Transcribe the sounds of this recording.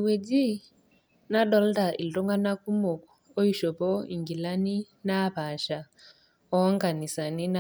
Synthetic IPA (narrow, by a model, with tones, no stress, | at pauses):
i˨we˨d͡ʒi˦ | na˦ɗɔ˦lda˨ʔi˨tɔ˦ŋɡa˦na˦ku˦mɔ˨kɔ˨ɔ˦i˦ʃɔ˨pɔ˦ḭ˨ŋɡi˨la˦ni˦ | na˦pa˨ʃa˨ | ɔ˦ŋɡa˨ni˨sa˨ni˦na